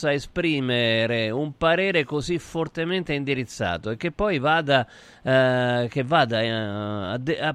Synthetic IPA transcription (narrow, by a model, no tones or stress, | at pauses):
aespɾiːmeɾeumpaɾɛːɾekosifːort̪emɛnt̪eind̪iɾit̪sːa̰ːt̪oek̟ːepːɔjvaːd̪a | k̟evːaːd̪aad̪a